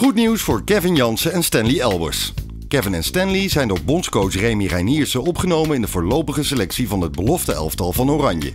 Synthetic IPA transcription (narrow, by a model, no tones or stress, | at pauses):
χutniwsfʊːɹkɛvɪnjɑnsəɛnstɛnliɛlˠbə̰ɹs | kɛvɪnɛnstɛnlizɛjndobɔnskowsrejmirajniːɹsəɔpχənowmənɪndəvʊːɹlowpəχəselɛksivɑnɦəd̚bəlɔftəɛ̰lˠftɑlˠvɑnowrɑɲjə̰